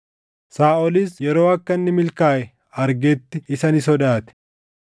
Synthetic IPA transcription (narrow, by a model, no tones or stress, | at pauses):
saːʔɔlɪsjɛɾo̞ːɐkːɐnːɪmɪlkaːʔɛ | ɐɾɡɛːt̪ːɪɪsɐnɪsɔd̪aːt̪ɛ̥